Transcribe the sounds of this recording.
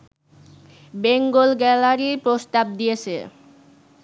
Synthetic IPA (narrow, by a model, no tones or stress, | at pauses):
beŋɡolɡɛlaɾipɾost̪ab̚d̪ijet͡ɕʰḛ